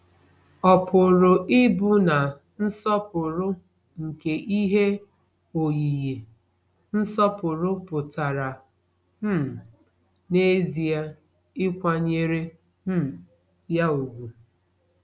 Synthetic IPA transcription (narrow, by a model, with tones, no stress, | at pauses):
ɔ˨pʊ˨ɾʊ˨ʔɪ˦bʊ˦na˨ | n̩˦sɔ˦pʊ˨ɾʊ˦ | ŋ̩˨ke˨ʔi˦ɦe˦ | o˨ji˨je˨ | n̩˦sɔ˦pʊ˨ɾʊ˦pʊ˨ta˨ɾa˨ | m̩˦˨ | ne˦zi˨a˦ | ɪ˦kʷa˦ɲe˨ɾe˦ | m̩˦ | ja˦o˨ɡʷu˨